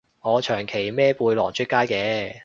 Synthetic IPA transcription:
ŋɔː˨˧t͡ʃʰœː˨˩ŋkʰe˨˩jmɛː˥puː˧jlɔ̰ː˨˩ŋt͡ʃʰy˥kaː˥jkɛː˨˧

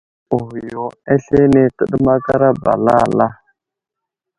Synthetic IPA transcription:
u˨hjo˨a˦ɬe˦ne˦tə˦ɗə˦ma˦ka˦ɾa˦ba̰˨la˦˨la˦

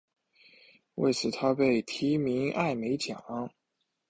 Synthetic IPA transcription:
wḛ˥˩ɪt͡sʰɹ̩˧˥t̪ʰa˥pe˥˩ɪt̪ʰi˧˥mi˧˥ŋʔa̰˥˩ɪme˧˥ɪt͡ɕjɑ˨˩˥

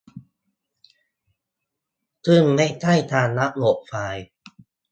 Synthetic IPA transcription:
t̪ʰɯ˧˩ŋma˥˩jt̪ʰa˥˩jt̪ʰaː˧nːa˦˥ʔlo˨˩ʔ̚faː˨˧˩j

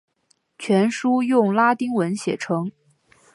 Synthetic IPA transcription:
t͡ɕʰɥɛ˧˥nʂu˥jʊ˥˩ŋla˥t̪i˥ŋwə˧˥nɕjɛ̰˨˩ʈ͡ʂʰɤ˧˥ŋ

